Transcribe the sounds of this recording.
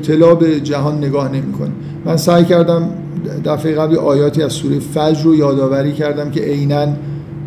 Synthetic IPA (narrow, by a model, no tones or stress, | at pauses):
t̪ʰe̞lɒːbe̞d͡ʒæɦɒːnːe̞ɡɒːhne̞miːkʰo̰ni | mænsæːjcæɾd̪æm | d̪æfejeɣæbliʔɒːjɒːt̪ʰiːæzsuːɾejefæd͡ʒɾojɒːd̪ɒːvæɾiːcʰæɾd̪æmcʰe̞ʔejnæn